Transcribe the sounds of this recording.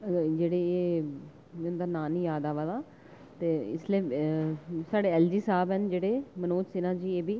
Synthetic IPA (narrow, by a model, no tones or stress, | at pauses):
d͡ʒeːɽeːeː | ʊnd̪aːnaːniːjaːd̪aːʋaːlaː | t̪eːɪ̰sleː | saːɽeːɛːld͡ʒiːsaːbɛnd͡ʒeːɽeːmənoːt͡ʃsɪnãːd͡ʒiːeːbiː